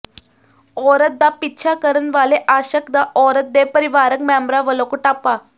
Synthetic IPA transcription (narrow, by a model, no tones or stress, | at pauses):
ɔɾət̪d̪apitːɕʰakəɾənʋaleʔaɕəkd̪aɔɾət̪̚d̪epəɾiʋaɾəkmambɾaʋəlokuʈapa